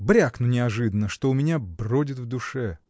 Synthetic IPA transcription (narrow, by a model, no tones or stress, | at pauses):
bɾʲaknʊnʲɪɐʐɨd̪ənːəʂt̪oʊmʲɪnʲabrodʲɪt̪vd̪ʊʂɛ